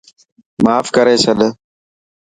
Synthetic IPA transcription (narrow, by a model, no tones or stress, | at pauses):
maːfkəɾeːsəɗə